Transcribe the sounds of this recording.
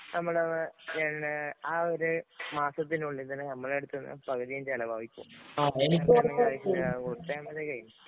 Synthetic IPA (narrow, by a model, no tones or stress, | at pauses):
nɐmːɐɭɐnːɲaːnaːoɾumaːsɐt̪̬ːinuɭːiðɐnɨnɐmːɐɭeɽut̪ːunːɨ̰pɐɣɐðijɐnd͡ʑɐlɐbʱaːʋikʲːṵmaːenikːɐɐakːkoɽut̪ːɐjamɐðekɐjum